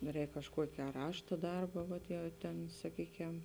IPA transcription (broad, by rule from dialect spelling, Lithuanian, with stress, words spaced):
ˈrʲɛːk kɐʃˈkuɔkʲɪ ɐ ˈrɑːʃtɐ ˈdɐrbɐ ˈʋɐt jɛʊ tʲɛn sɐˈkʲiːkʲɛm